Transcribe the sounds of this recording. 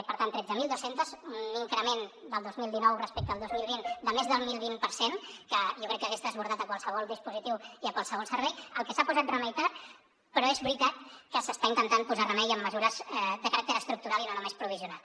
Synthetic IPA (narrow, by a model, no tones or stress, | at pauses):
pəɾt̪ant̪ːɾɛd͡zəmilˠd̪osent̪əzuniŋkɾəmend̪əlˠd̪ozmilˠd̪inɔwrəspɛk̪̚əːlˠd̪ozmilˠβind̪əmezðəlˠmilˠβimpəɾsenkəʒɔkɾɛkːəɣ̞eszd̪əzβuɾðat̪əkwalˠsəβ̞ɔlˠd̪ispuzit̪iwiəkwalˠsəβɔlˠsəɾβɛjəlˠkəsapuzat̪rəmɛjt̪at̪ | pəɾɔezβɾit̪at̪kəsəst̪aint̪ənt̪anpuzarəmɛjəmːəzuɾəzɛd̪əkəɾak̚t̪əɾəst̪ɾuk̚t̪uɾalinonumespɾuβ̞iziunalˠ